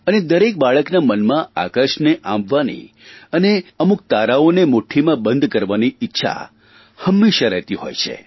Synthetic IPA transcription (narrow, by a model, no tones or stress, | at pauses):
əned̪əɾek̚baɭəknamənmãa̰kəɾʃneʔã̰mbʋanḭ | əneəmuk̚t̪aɾaonemoʈʰimãbə̃nd̪kəɾʋaniɪtːʃʰa̰ | həmːeʃaɾɛ̰ɦt̪iɦo̰jt͡ʃʰḛ